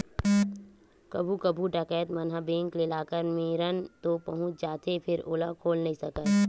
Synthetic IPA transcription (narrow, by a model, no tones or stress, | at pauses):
kɐbʱukəbʱuʈəkɛːt̪mənɦabẽːŋkleːlaːkəɾmeːɾənt̪opɐɦʊ̃t͡ʃd͡ʒaːt̪epʰɪɾʊːləkʰoːlnɐɦĩsəkət̪